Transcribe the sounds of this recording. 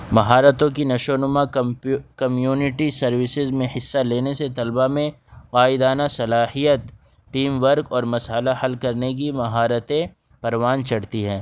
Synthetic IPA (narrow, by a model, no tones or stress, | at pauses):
mɐɦaːɾət̪õkinɐʃoːnʊma | kɐmjuːnɪʈisɐɾʋɪsɪzmẽhɪsːaleːneset̪ɐlbamẽ | qaːɪd̪aːnasɐlaːhijət̪ | ʈiːmʋəɾkɔːɾmɐsaːlahɐlkɐɾnek̬imɐɦaːɾət̪ẽ | pɐɾʋaːnt͡ʃɐɽt̪iɦɛ̃ː